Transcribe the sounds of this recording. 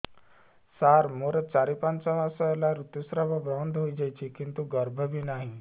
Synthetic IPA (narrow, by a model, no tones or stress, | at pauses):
saɾmoɾət͡saɾipant͡saɦasəjlaɾut̪jusɾəʋabɾɔnd̪ɦoid͡zajt͡ɕikint̪uɡəɾbʱəbiːnaɦi